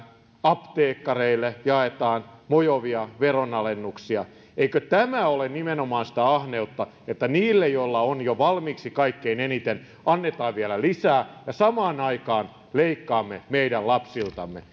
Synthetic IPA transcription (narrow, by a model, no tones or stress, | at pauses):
ɑpt̪eːkːɑreilːˑejɑet̪ɑːnmojoʋiɑʋeronɑlenːuksiɑ | eikøt̪æmæolennimenomɑːnsi̥t̪æɑhneut̪ːɑ | et̪ːæniːlːejjoilːɑonjoʋɑlmiːksikɑikːeinenit̪en | ɑnːet̪ɑːʋʋielælisæːjɑsɑmɑːnɑikɑːn | leikːɑːmːemeidællɑpsilt̪ɑmːḛ